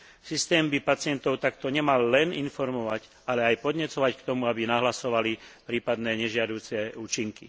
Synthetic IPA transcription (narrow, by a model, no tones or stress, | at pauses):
sist̪ɛːmbipat͡sɪɛnt̪ɔʊt̪akt̪ɔɲɛmalːɛninfɔɾmɔʋaɟ | alɛajpɔd̪ɲɛt͡sɔʋackt̪ɔmuabinaɦlasɔʋalipɾiːpad̪nɛːɲɛʒɪad̪uːt͡sɛuːt͡ʃiŋkḭ